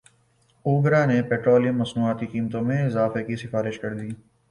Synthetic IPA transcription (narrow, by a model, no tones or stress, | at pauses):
uːɡɾanepɛːʈɾoːlijə̃mːɐsnuːaːt̪iqiːmət̪õmẽɪzaːfekisɪfaːɾɪʃkɐɾd̪iː